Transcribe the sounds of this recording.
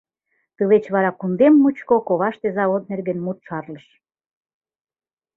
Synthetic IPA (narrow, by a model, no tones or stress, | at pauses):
t̪ɨlet͡ɕβɑɾɑkund̪emːut͡ɕkokoβɑʃt̪ezɑβot̪̚nerɡenmut̪ʃɑrləʃ